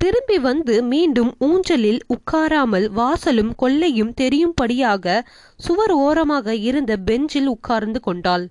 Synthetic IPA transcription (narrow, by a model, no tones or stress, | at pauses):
t̪ɪɾɯmbiʋɐnd̪ɯmiːɳɖɯmuːɲd͡ʒɐlɪlʊkːaːɾaːmɐlʋaːsɐlɯmkɔɭːɐjɯmt̪ɛɾɪjɯmpɐɽɪjaːɣɐ | sʊʋɐɾoːɾɐmaːɣɐɪɾɯnd̪ɐbɛɲd͡ʒɪlʊkʰːaːɾnd̪ɯkɔɳɖaːl